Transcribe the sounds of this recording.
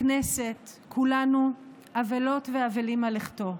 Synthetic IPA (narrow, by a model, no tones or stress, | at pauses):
nese̞t | kʰulanu | avelo̞tveavelimaleχto̞